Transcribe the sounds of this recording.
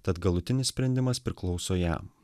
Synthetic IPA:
t̪ɐt̪ɡɐlˠʊt̪ʲɪnʲɪsʲsʲpʲɾʲɛnʲd̪ʲɪmɐspʲɾʲɪklˠɒʊsoːjæ̰ː

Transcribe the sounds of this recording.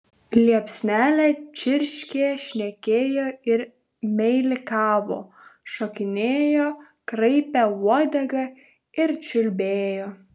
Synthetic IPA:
lʲiɛpʲsʲnʲæːlʲɛt͡ʃʲɪɾʲʃʲkʲeːʃʲnʲɛkʲeːjoːɪɾ | mʲɛɪlʲɪkɑːʋo̰ː | ʃokʲɪnʲeːjoː | kɾɐɪpʲɛuɔd̪ʲɛɡɐ | ɪɾt͡ʃʲʊlʲbʲeːjoː

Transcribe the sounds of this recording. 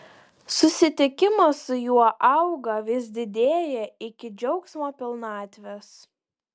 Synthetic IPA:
sʊsʲɪt̪ʲɪkʲɪmɐsʊjuɔʔɐʊɡɐʋʲɪs̬d̪ʲɪd̪ʲeːjɛɪkʲɪd͡ʒʲɛʊksmoːpʲɪlˠnɑːt̪ʲʋʲɛs

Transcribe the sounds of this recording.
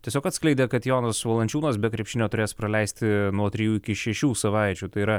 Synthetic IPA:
t̪ʲiɛsʲoːkɐt̪sklʲɛɪd̪ʲɛkɐt̪joːnɐsʋɐlˠɐnʲt͡ʃʲuːnɐsbʲɛt̪kɾʲɛpʲʃʲɪnʲoːt̪ʊɾʲeːspɾɐlʲɛɪsʲt̪ʲɪnuɔt̪ʲɾʲɪjuːɪkʲɪʃʲɛʃʲuːsɐʋɐɪt͡ʃʲuːt̪ɐɪiɾɐ

